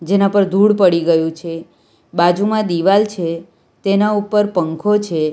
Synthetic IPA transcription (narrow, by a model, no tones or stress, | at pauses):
d͡ʒenapəɾd̪ʱuɽpəɽiɡəjũt͡ʃʰe | bad͡ʒumãd̪iʋalt͡ʃʰe | t̪enaupəɾpəŋkʰot͡ʃʰe